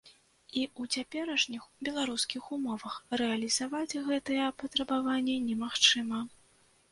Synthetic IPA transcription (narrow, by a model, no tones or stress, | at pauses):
iut͡sʲapʲɛɾɐʂnʲixbʲɛlˠaɾuskʲixumɔvɐxrɛɐlʲizavad͡zʲɣɛt̪ɨjɛpɐt̪ɾɐbavanʲːɛnʲɛmaxt͡ʂɨmɐ